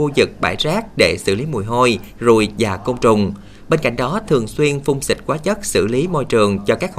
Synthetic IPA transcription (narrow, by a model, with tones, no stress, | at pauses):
u˧zɨ˨˩k̚ɓa̰ː˧˩jzaː˦˥k̚ɗe˧˩sɨ̰˧˩li˨˦mu˨˩jɦo˧jzu˨˩jvaː˨˩ko˧wŋ͡mt͡ɕʊ˨˩ŋ͡m | ɓe˧nka̰˧˩jŋ̟ɗɔ˨˦t̪ʰɨ˨˩əŋswi˧ənfʊ˧wŋ͡msï˨˩k̟̚kwaː˨˦t͡ɕə˦˥t̚sɨ̰˧˩li˨˦mo˧jt͡ɕɨ˨˩əŋt͡ɕɔ˧kaː˦˥k̚h